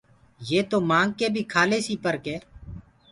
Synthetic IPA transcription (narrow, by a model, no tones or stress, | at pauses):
jeːt̪oːmãːŋɡ̚keːbʱiːkʰaːleːsiːpəɾkeː